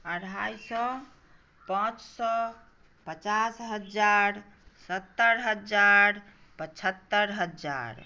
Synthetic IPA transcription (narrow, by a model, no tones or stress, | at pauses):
əɽ̤ajsɔ | pãt͡ʃsɔ | pət͡ʃasɦəd͡ʒaɾ | sət̪ːəɾɦəd͡ʒaɾ | pət͡ʃʰət̪ːəɾɦəd͡ʒd͡ʒa̰ɾ